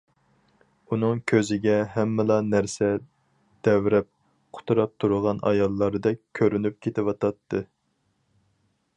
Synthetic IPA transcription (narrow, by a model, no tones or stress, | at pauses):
unɨŋkʲʰøzɪɡʲɛɦɛmːɪlˠɑnæɾsɛ | d̪̥ɛwɾɛp̚ | qʰʊ̥t̪ʰuɾɑp̚t̪ʰuɾʊʁɑnɑ̰jɑlˠːɑɾd̪ɛk̚ʲkʲʰːøɾynyp̚kʲʰet̪ɪwɑt̪ʰɑt̪ʰːɨ